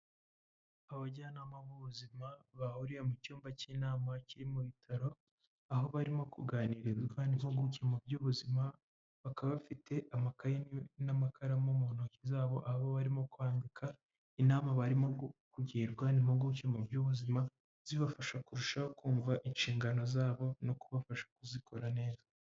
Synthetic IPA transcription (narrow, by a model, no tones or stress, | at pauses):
aβaɟaːnaːmaβuβuzimaβahuɾijemucuːmbaciːnaːmaciɾimuβitʰaɾo̞ | aho̞βaɾimo̞kuɡaːniːɾeɾɡwanimhoɡucemubjuːβuzima | βakaβafitʰe̞ʔamakajenamakʰaɾamomonocizaːβo̞̰ʔahaβoβaɾimo̞kwaːndikʰa | inaːmaβaɾimo̞kuɟiiɾɡwanimuɡucemubjuːβuzima | z̥iβafaʃakuɾuʃakuːɱvaʔinʃiːŋɡano̞zaːβo̞no̞kuβafaʃḁkuzikʰo̞ɾane̞ːza